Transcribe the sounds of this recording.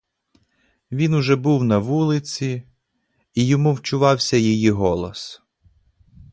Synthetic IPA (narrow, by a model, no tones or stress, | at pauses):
ʋʲinʊʒɛbuwnɐʋulˠɪt͡sʲiː | jɔmuwt͡ʃʊʋɑwsʲɐjijiɦɔlˠɔs